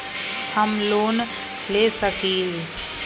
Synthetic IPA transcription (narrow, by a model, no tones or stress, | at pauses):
həmloːn | leːsəkiːl